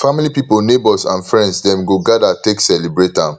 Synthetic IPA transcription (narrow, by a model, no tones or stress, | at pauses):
familipipolnebɔlsã̰nfɹɛ̃ndsdɛ̃mɡoɡadateksɛlibɹetã